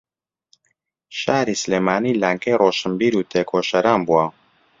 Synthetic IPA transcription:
ʃaːɾiːsleːmaːniːlaːŋkɛjroːʃəmbiːɾuːt̪ʰeːkʰoːʃɐɾaːnbuwa

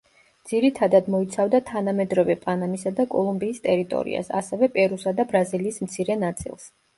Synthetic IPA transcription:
d̪z̥iɾit̪ʰad̪ad̪mɔit̪sʰavd̪at̪ʰanamɛd̪ɾɔvɛpʼanamisad̪akʼɔlˠumbiːst̪ʼɛɾit̪ʼɔ̰ɾḭa̰sa̰sɛvɛpʼɛɾusad̪abɾaziliːsmt̪sʰiɾɛnat̪sʼḭlˠs

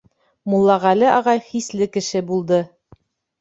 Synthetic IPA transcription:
mulˠːɑʁælɘʔɑʁɑjχislɘkɘ̆ʃɘbulˠd̪ɤ

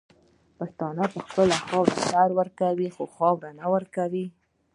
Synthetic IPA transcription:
past̪ɑnapəxpəlaxɑwɾa̰saɾwəɾkawixoxɑwɾanawəɾkawi

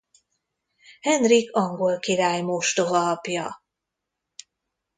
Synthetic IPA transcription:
hɛnrikɒŋɡo̞lkiɾaːjmoʃt̪oɦɒlɒpjɒ

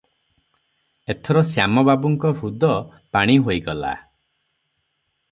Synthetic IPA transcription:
et̪ʰɔɾɔsjamɔbabuŋkɔɾud̪ɔ | paɽ̃iɦojɡɔla̰

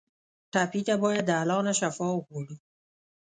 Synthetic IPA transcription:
ʈapit̪abɑːjad̪ːəalɑːnaʃafɔʊkoɽu

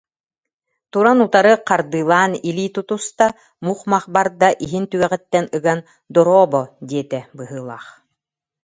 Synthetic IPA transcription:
t̪uɾanut̪aɾɯqaɾd̪ɯːlˠaːniliːt̪ut̪ust̪a | muːχmaχbaɾd̪aʔiɦint̪yɡɛʁɛt̪ːɛnɯɡan | d̪ɔɾɔːbɔd̪iɛt̪ɛbɯɦɯːlˠa̰ːχ

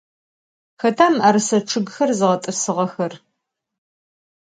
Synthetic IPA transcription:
xɐtʰaːmaːɾɨsɐʈ͡ʂʰɨɡxɐrzɨʁɐtʼɨsɨʁɐxɐr

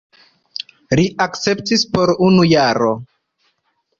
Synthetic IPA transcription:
liʔakt͡se̞p̚tispo̞ɾunujaɾo̞

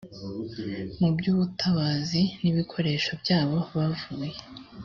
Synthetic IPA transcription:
mubɟuːβutʰaβaziniβikʰo̞ɾe̞ːʃobɟaːβo̞βavuːje

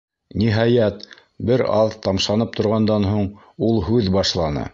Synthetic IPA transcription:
niɦɑjæt̪ | bɘɾɑðt̪ɑmʃɑnɤp̚t̪ŏɾʁɑnd̪ɑnɦuɴ | ulˠɦʉðbɑʃlˠɑnɤ̰

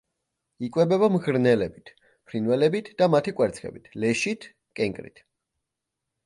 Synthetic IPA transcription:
ikʼwɛbɛbamʁɾnɛlɛbit̪ʰ | pʰɾinwɛlɛbit̪ʰd̪̥amat̪ʰikʼwɛɾt̪sʰχʰɛ̰bit̪ʰlɛʃit̪ʰ | kʼɛŋkʼɾḭt̪ʰ

